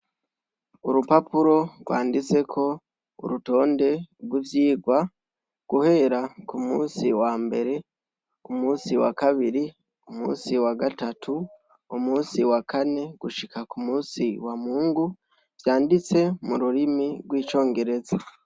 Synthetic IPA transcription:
uɾupapuɾo̞ɡwaːndit͡se̞kʰo̞ | ṵɾuto̞ːnde̞ɡwivjiːɡwa | ɡ̥uhe̞ɾakumṵːsiwaːmbe̞ɾe̞ | umuːsiwa̰kaβiɾi | umṵːsiwaɡatatʰu | umuːsiwakʰane̞ɡ̥uʃikʰakumuːsiwamuːŋɡu | v̥jaːndit͡se̞muɾuɾimiɡwiːt͡ʃo̞ːŋɡe̞ɾe̞za

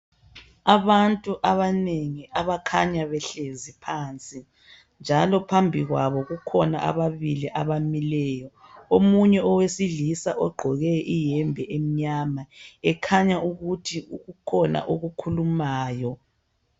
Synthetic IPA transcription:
aβantʼuʔaβaneŋiʔaβakʰaɲaβɛɬezipʰaːnt͡sʼi | nd͡ʒʱalɔpʰambʱiɣwaβɔɣukʰɔna̰ʔa̰βaβiliʔaβamilɛːjɔ | omuɲɛɔwesiɮisaʔɔɡ͡ǃʱɔɣɛʔijɛmbʱɛʔem̩ɲamaɛkʰaɲaʔuɣutʰiuɣukʰɔna̰ʔoɣukʰulumaːjɔ

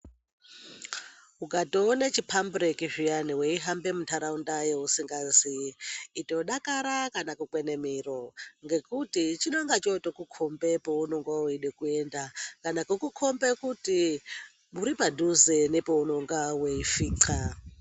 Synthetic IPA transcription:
ukatoːnet͡ʃipʰambrekiʐijaniweiɦambemutʰaɾaundajeusiŋɡanziːto̞ɗakaɾakanakukwenemiroŋɡe̞kutit͡ʃinoŋɡat͡ʃotokukʰombe̞pounoŋɡwawiɗekuendakanakukukʰombekuti | muɾipadʱuzenepounoŋɡwaweifiːǀʰa

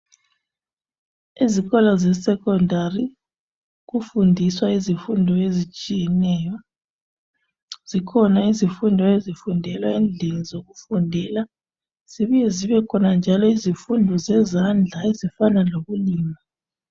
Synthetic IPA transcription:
iziɣɔlazɛsɛkʼɔndʱari | ɣufundʱiswaizifundʱɔezit͡ʃʼijɛnɛja | z̥ikʰɔnaizifundʱɔezifundʱɛlwaend͡ɮʱenizoɣufundʱɛla | z̥iβijɛziβɛkʰɔnand͡ʒʱalɔizifundʱɔzɛzand͡ɮʱaezifanaloβuliːma

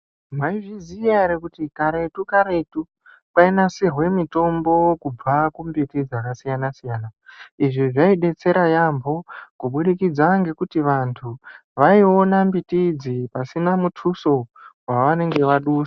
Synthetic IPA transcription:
maiʐiziaeɾekutikaɾe̞tukaɾe̞tu | painasirwe̞mito̞mbo̞kub͡vakumbitid͡zakasijanasijaːnaiʐiʐaiɗe̞t͡se̞ɾajambʱo̞kuɓuɗikid͡zaŋɡe̞kutiʋantʰu | ʋaionambitid͡zipasinamutʰuso̞waʋane̞ŋɡe̞ʋaɗuːsḁ

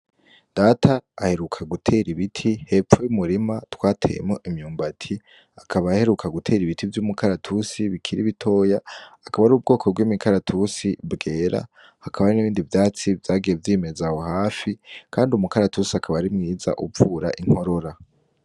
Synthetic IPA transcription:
d̥atʰaːhe̞ɾukʰaɡutʰe̞ɾiβitʰihe̞ːp͡ffojumuɾimatwaːtʰḛjḛmŋoʔimɲuːmbatʰi | akʰaβaːhe̞ɾukʰaɡutʰe̞ːɾiβitʰivjuːmukʰaɾatʰusiβikʰiɾḭβitʰo̞ːjaːkaβaɾuːb̚ɡo̞ːkʰob̚ɡwiːmikʰaɾatʰusibɡe̞ːɾa̰ | hakʰaβaɾiniβiːndivjaːt͡sivjaːɡije̞vjiːme̞zaho̞haːfikʰaːndiumukaɾatʰusiakʰaβaɾimŋiːza̰ʔupfuɾa̰ʔiŋ̥ho̞ɾo̞ɾa

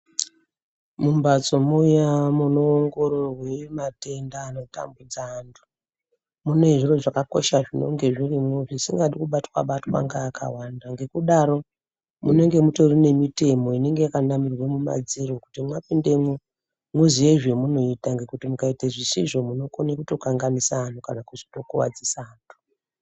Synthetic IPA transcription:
mumbat͡so̞moujamunoːŋɡo̞ɾorwe̞mate̞ndaːnota̰mbud͡zandu̥ | mune̞ʐiro̞ʐakako̞̰ʃaʐino̞̰ŋɡe̞ʐirimuʐisiŋɡaɗikuɓatwa̰ɓatwa̰ŋɡaːka̰wandaŋɡe̞kuɗaɾo̞ | mune̞ŋɡe̞muto̞rine̞mite̞mo̞ine̞ŋɡeakanamirwe̞muma̰d͡ziɾokutimwapinde̞mu | muzije̞ʐe̞muno̞itaŋɡe̞kutimukaiteʐisiʐo̞muno̞konekuto̞kaŋɡanisaːntukanakuʐi̥to̞kuwa̰d͡zisaːntʰu̥

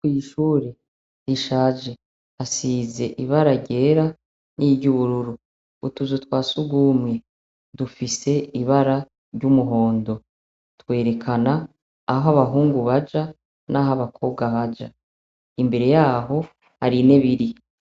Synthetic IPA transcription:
wiːʃuːɾe | diʃaːd͡ʒe̞ | asiːze̞ʔiβaɾaɾɟe̞ːɾa | nʔiɟuβuɾuɾu | utuzutwaːsuɡwuːmŋe̞ | dufise̞iβaɾa | ɾɟumuɦo̞ːndo̞ | twe̞ːɾe̞kʰanaː | ɦaβaɦuːŋɡuβad͡ʒa | naɦaβakʰo̞βbɡaβad͡ʒa | imbe̞ɾe̞jaːɦo̞ | haɾine̞βiɾi

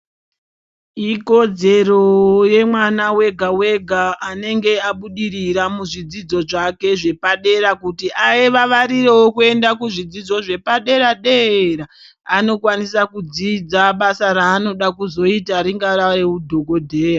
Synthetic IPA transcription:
iko̞d͡ze̞roje̞mwanawe̞ɡʱawe̞ɡʱaːne̞ŋɡe̞aɓuɗiɾiɾamuʐid͡zid͡zo̞ʐake̞ʐe̞paɗe̞ɾakutiʔajeʋaʋaɾirewokue̞ndakuʐid͡zid͡zo̞ʐe̞paɗe̞ɾaɗeraː | no̞kwanisakud͡zid͡zaɓasaɾaːno̞ɗakuzo̞itaɾiŋɡaraɾeudʱo̞ɡʱo̞dʱeːra

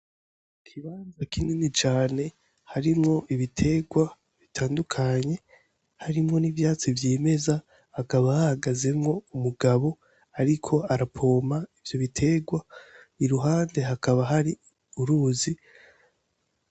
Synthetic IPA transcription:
kʰiβaːnzakininit͡ʃaːne̞ | haɾimŋo̞ʔiβitʰe̞ɡwa | βitʰaːndukʰaɲe̞ | haɾimŋo̞nivjaːt͡sivjeːme̞zaː | kaβahahaɡaze̞mŋo̞umuɡaβo̞ | aɾikʰo̞aɾapʰo̞ːmaivjo̞βitʰe̞ɡwa | iɾuɦaːnde̞ɦakaβaɦaɾi | uɾuːzi

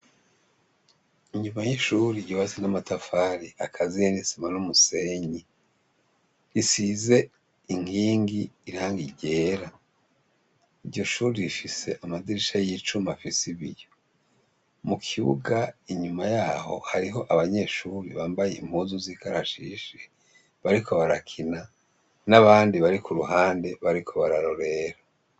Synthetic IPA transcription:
iɲumajiʃuɾiɟoβasinamatafaɾiakʰazijenisimanumuseɲi | ɾisize̞ | iŋ̥hiːŋɡiːɾaŋɡiɟe̞ɾa | iɾɟo̞ʃuːɾiɾifise̞̰ʔamadiɾiʃajit͡ʃumafisiβḭjo̞ | mukʰiβṵɡaiɲumajaːho̞̰haɾiɦo̞ʔaβaɲe̞ːʃuːɾiβaːmbajḛimhuːzuziːkaɾaʃḭʃe | βaɾikʰo̞βaɾakʰina | naβaːndiβaɾikuɾuɦaːnde̞βaɾikʰo̞βaɾaɾo̞ɾe̞ɾa

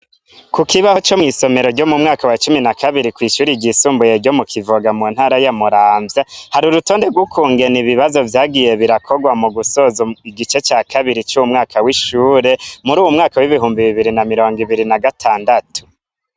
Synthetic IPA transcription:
kukiβaho̞t͡ʃo̞mŋiːso̞me̞ɾo̞ɾɟo̞mumŋaːkawat͡ʃuminakʰaβiɾikwiːʃuːɾiɟisuːmbuje̞ɾɟo̞mukʰivoɡamun̥haɾajamuɾaːɱvjahaɾuɾuto̞ːnde̞ɡwukʰuːŋɡe̞niβiβazo̞vjaːɡije̞βiɾakʰoɡwamuɡusozoiɡit͡ʃe̞t͡ʃaːkʰaβiɾit͡ʃuwumŋaːkʰawiʃuːɾe̞muɾuːwumŋaːkawiβiɦuːmbiβiβiɾinamiɾo̞ːŋɡiβiɾinaɡatʰaːndatu̥

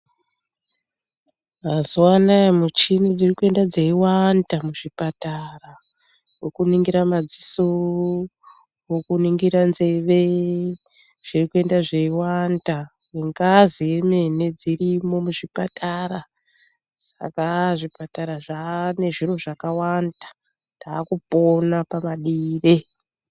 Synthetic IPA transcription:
mazuwanamut͡ʃinid͡zirikue̞ndad͡zeiwandamuʐipatara | wokuniŋɡiɾamad͡ziso | wokuniŋɡiɾanze̞ʋe̞ | ʐ̥irikue̞ndaʐe̞iwanda | weŋɡazijeme̞ne̞d͡zirimo̞muʐipataɾa | sḁ̰kaʐipataɾaʐane̞ʐiro̞ʐakawandḁ | taːkupo̞napamaɗiːre

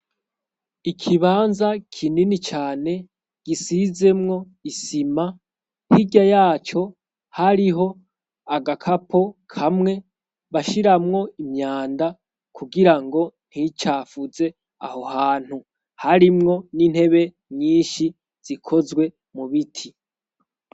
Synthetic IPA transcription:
ikʰiβaːnzakʰininit͡ʃaːne̞ | ɡ̥isize̞mŋo̞ | isima | hiɟajaːt͡ʃo̞ | haɾiɦo̞ | aɡakʰapʰo̞kʰamŋe̞ | βaʃiɾamŋo̞imɲaːnda | kʰuɡiɾaŋɡo̞n̥hit͡ʃaːfuze̞ | a̰ho̞haːn̥hu | haɾimŋo̞nin̥he̞βe̞ | ɲiːnʃi | z̥ikʰo̞zɡwe̞ | muβitʰi

